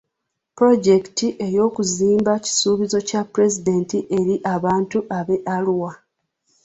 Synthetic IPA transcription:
pɾo̞ɟe̞ktiʔe̞jo̞ːkuziːmbaci̥suːβizo̞capuɾe̞zide̞ːntiʔe̞ɾiʔaβaːntuʔaβe̞ʔaluwa

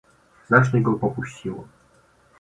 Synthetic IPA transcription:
znat͡ʂɲɛɡɔpɔpuɕt͡ɕiwɛm

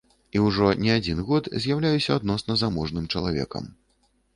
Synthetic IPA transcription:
iwʐɔnʲɛad͡zʲinɣɔt̪zʲjawlʲajusʲɐad̪nɔsnɐzamɔʐnɨmt͡ʂɐlˠavʲɛ̰kɐ̰m

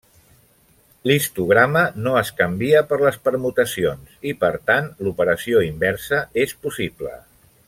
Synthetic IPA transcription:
list̪uɣɾamənoəskəmbiəpəɾləspəɾmut̪əsionsipəɾt̪anlupəɾəsioimbɛɾsəespusiblə̰

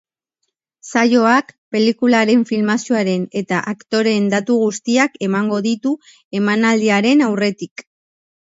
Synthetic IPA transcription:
sajo̞akpe̞likulaɾe̞ɱfilmasioaɾe̞ne̞t̪aʔakt̪o̞ɾe̞nd̪at̪uɣ̞ust̪iake̞maŋɡo̞ðit̪u | e̞manald̪iaɾe̞nawre̞t̪ik

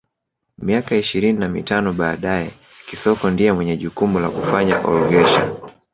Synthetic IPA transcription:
miakaiʃiɾininamḭtanɔɓaːɗajɛ | kisɔkɔndiɛmwɛɲɛʄukumula̰kufaɲa̰ʔɔ̰lɡɛʃa̰

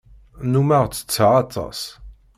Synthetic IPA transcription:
numæʁt͡sːə̥t͡sːəʁɑt̪ˤʰːɑ̰s

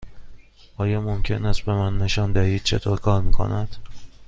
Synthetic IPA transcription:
ʔɒːjɒːmomcʰe̞næst̪̚be̞mænːe̞ʃɒnd̪æhiːd̪̥̚t͡ʃʰe̞̰t̪ʰoːɾkʰɒːɾmiːkʰo̰næd̪̥

